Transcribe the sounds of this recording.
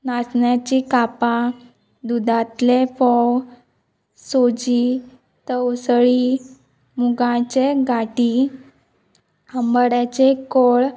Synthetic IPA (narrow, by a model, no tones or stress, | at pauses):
nasɳjat͡ɕikapa | d̪ud̪ãt̪lefɔw | sod͡ʑi | t̪əwsɭi | muɡãt͡ɕeɡʱaʈi | həmbəɽat͡ɕekoɭ